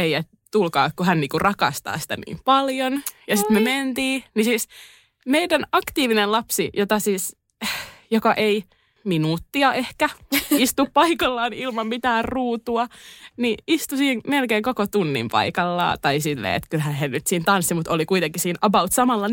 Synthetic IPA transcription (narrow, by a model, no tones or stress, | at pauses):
eiet̪ | t̪ulkɑːkkuɦænniːkurɑkɑ̰st̪ɑ̰ːsi̥t̪æ̰nḭːmpɑljonjɑsit̪mement̪iːnisiːs | meidænɑkt̪iːʋinellɑpsijot̪ɑsiːs | jokɑʔei | minuːt̪ːiɑʔehkæist̪uppɑikɑlːɑːnilmɑmmit̪æːrruːt̪uɑniʔist̪usiːŋmelkeːŋkokot̪unːḭmpɑ̰ikɑlːɑ̰ːt̪ɑisilːḛːḛt̪kylɦænsennyt̪siːnt̪ɑnsːimut̪olikuit̪eŋkːisiːnʔɑbɑut̪sɑmɑlːɑ